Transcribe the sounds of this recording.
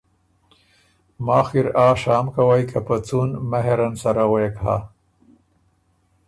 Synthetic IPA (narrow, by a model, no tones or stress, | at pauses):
maːxiɾaːʂaːmkawajkapət͡sunmaɦeɾansaɾawekha̰